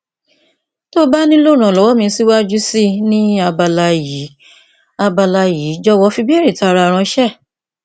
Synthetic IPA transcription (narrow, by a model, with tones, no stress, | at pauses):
to˦ba˦nĩ˦lo˦˨ɾ̃ã˨lɔ˨wɔ˦mĩ˧˦si˦wa˦d͡ʒu˦si˦nĩ˦a˧ba˧la˧ji˨˦ | a˧ba˧la˧ji˨˦d͡ʒɔ˦wɔ˧˦fi˧bi˦e˦ɾi˦˨ta˧˦˧ɾa˧˨˧ɾ̃ã˧ʃɛ˦˨